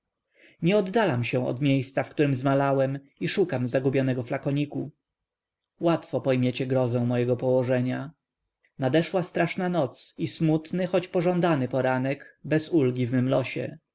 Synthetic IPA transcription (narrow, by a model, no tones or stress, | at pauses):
ɲɛɔd̪ːalamɕɛ̃w̃ɔ̰d̪mʲjejst̪safkt̪uɾɘmzmalawɛm | iʂukamzaɡubʲjɔnɛɡɔflakɔɲiku | wat̪fɔpɔjmʲjet͡ɕɛɡɾɔzɛ̃w̃mɔjɛɡɔpɔwɔʐɛɲa | nad̪ɛʂwast̪ɾaʂnanɔt̪sismut̪nɘxɔt͡ɕpɔʐɔnd̪anɘpɔɾanɛɡbɛzulɡʲivmɘmlɔɕɛ̰